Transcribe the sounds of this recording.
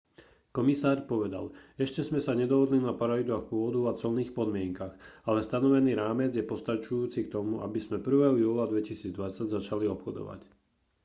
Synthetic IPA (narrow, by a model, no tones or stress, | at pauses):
kɔmisaːɾpɔʋɛd̪a̰lɛʃcɛzmɛsaɲɛd̪ɔɦɔd̪linapaɾalid̪axpʊɔd̪uat͡sɔlniːxpɔd̪mɪɛŋkaxalɛst̪anɔʋɛniːɾaːmɛd͡zjɛpɔst̪at͡ʃujuːt͡sik̚t̪ɔmua̰bizmɛpr̩ʋɛːɦɔjuːlad̪ʋɛcisiːd͡zd̪ʋat͡saɟzat͡ʃaliɔpxɔd̪ɔ̰ʋa̰c